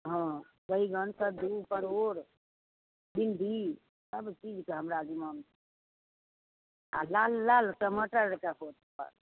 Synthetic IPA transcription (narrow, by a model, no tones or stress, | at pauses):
ɦɔ̃ | kəiɡʱənsəd̪upəɾoɾ | b̪ind̪ʱi | səbt͡ʃid͡ʒkeɦəmɾad͡ʒiman | a̰lalːalsəməʈəɾɾkakʰot̪̚pə̰ɾ